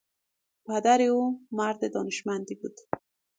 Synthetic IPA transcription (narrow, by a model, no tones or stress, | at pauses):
pad̪aɾɪomaɾd̪ɪd̪ɔnɪʃmand̪ibud̪